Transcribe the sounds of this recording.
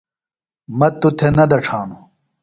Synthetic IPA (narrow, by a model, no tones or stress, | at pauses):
mɐt̪ut̪ʰenɐd̪ɐʈ͡ʂʰaːnu